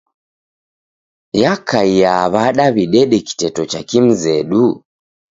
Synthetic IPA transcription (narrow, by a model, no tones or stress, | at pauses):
jakaijaβaɗaβiɗɛɗɛki̥tɛtɔt͡ʃakim̩zɛɗu